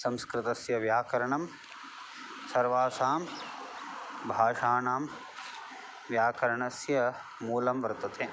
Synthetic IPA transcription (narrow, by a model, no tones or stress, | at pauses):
sɐ̃mskɾɪt̪ɐsjɐʋjaːkɐɾɐɳɐm | sɐɾʋaːsaːm | bʱaːʂaːnaːm | ʋjaːkɐɾɐɳɐsjɐ | muːlɐmʋɐɾt̪ɐt̪ʰeː